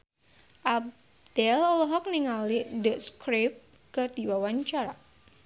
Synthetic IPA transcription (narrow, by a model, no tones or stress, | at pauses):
ʔab̚ | d̥ɛlɔlɔɦɔk̚niŋalidəʔskɾɪp̚ | kɨrd̪iwawaɲt͡ʃaɾa